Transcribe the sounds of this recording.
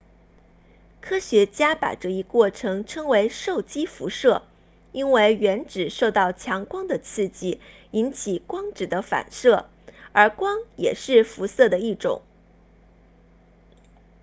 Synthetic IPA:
kʰɤ˥ɕɥɛ˧˥t͡ɕja˥pa̰˨˩ʈ͡ʂɤ˥˩i˧˥kwɔ˥˩ʈ͡ʂʰɤ˧˥ŋʈ͡ʂʰɤ˥ŋwe˧˥ɪʂo˥˩ʊt͡ɕi˥fu˧˥ʂɤ˥˩ | i˥nwe˥˩ɪɥɛ˧˥nʈ͡ʂɻ̩˨˩ʂo˥˧ʊt̪ɑ˥˩ʊt͡ɕʰjɑ˧˥ŋkwɑ˥ŋd̪ə˨t͡sʰɹ̩˥˧t͡ɕi˥˩ | i˧˥nt͡ɕʰi˨˩kwɑ˥ŋʈ͡ʂɻ̩˨˩d̪ə˦fa̰˨˩nʂɤ˥˩ | ə˞˧˥kwɑ˥ŋjɛ̰˨˩ʂɻ̩˥˩fu˧˥sɤ˥˩d̪ə˩i˥˩ʈ͡ʂʊ̰˨˩˦ŋ

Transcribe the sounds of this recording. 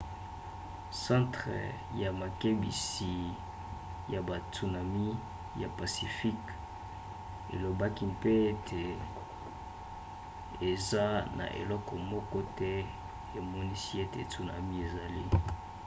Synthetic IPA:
sã˦tχḛ˨ | ja˨ma˨ke˦bḭ˨si˨ | ja˨ba˨tu˨na˨mi˦ | ja˨pa˨si˨fi˦k | ḛ˨lo˨ba˦ki˦pe˦e˦tʰe˨ | e˨za˦na̰˨ʔḛ˨lɔ˦kɔ˨mɔ˦kɔ˦tɛ˦ | e˨mɔ˦ni˦si˦e˦te˨tu˨na̰˨mi˦e˨za˨li˦

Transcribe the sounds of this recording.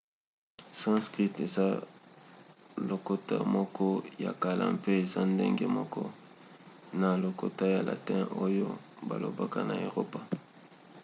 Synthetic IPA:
sã˦skʁi˦te˨za˦ | lo˨ko˦ta̰˦˨mɔ˦kʰɔ˦ja̰˨ka˨la̰˨mpe˦e˨za˦ndḛ˦ŋɡe˦mɔ˦kɔ˦ | na˨lo˨ko˨ta˦ja˨la̰˨tɛ̃˦ʔo˦jo˦ | ba̰˨lo̰˨ba˦ka˦na˨e˨ʁo˦pa˨

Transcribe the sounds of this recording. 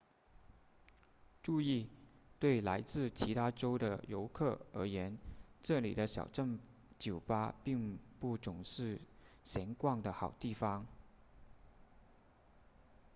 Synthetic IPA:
ʈ͡ʂu˥˧i˥˧t̪we˥˩ɪla˧˥ɪt͡sɹ̩˥˩t͡ɕʰi˧˥t̪ʰa˥ʈ͡ʂo˥ʊd̪ə˨jo˧˥ʊkʰɤ˥˩ə̰˞˧˥jɛ˧˥nʈ͡ʂɤ˥˩lḭ˨˩ɾə˦ɕjɑ̰˨˩ʊʈ͡ʂə˥˩ŋ | t͡ɕjo˨˩ʊpa˥pi˥˧ŋpu˥˩t͡sʊ˨˩ŋʂɻ̩˥˩ɕjɛ˧˥nkwɑ˥˩ŋd̪ə˩xɑ˨˩ʊt̪i˥˩fɑ˧˥ŋ

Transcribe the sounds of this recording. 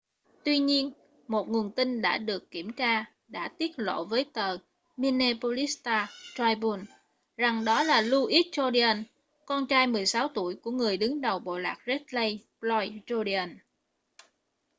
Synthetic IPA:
t̪wi˧ɲi˧ən | mo˨˩t̚ŋu˨˩ənt̪i˧ŋ̟ɗa̰ː˧˥ɗɨ˨˩əkːi˧˩əmt͡ɕaː˧ | ɗa̰ː˧˥t̪i˦˥ət̚lo̰˧˨vəː˨˦jt̪əː˨˩ | mi˧ne˧po˧li˦˥st̪aː˧t̪aː˧jɓu˧n | za˨˩ŋɗɔ˨˦laː˨˩lu˧ʔi˦˥t̚t͡ɕɔ˧ɗi˧ə˧n | kɔ˧nt͡ɕaː˧jmɨ˨˩əjsaː˨˦wt̪u˧˩əjku˧˩əŋɨ˨˩əjɗɨ˨˦ŋɗə˨˩wɓo̰˧˨la̰ː˨˩k̚ze˦˥t̚lə˧jplɔ˧jt͡ɕo˧ɗi˧ə˧˩n

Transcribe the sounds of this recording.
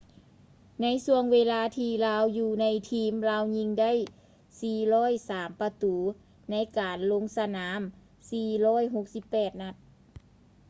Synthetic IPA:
na˧˥jsu˧əŋweː˧laː˧t̪ʰiː˧laː˧˥wjuː˧˩na˧˥jt̪ʰiː˧˥˩mlaː˧˥wɲi˧ŋda˥˨j | siː˨˩lɔː˧˥˨jsaː˨˦mpa˧t̪uː˨˦ | na˧˥jkaː˨nlo˧˥ŋsa˧naː˩˦m | siː˨˧˩lɔː˧˥˨jɦo˧˥k̚si˧˦pːɛː˨˩t̪̚na˧t̪̚

